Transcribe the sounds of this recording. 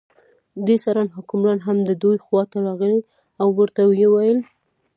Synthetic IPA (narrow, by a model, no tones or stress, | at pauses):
d̪esɑɾɑnɦʊkʊmɾɑnɦamd̪əd̪ujxwɑt̪aɾɑɣəli | awːəɾt̪awjewajəl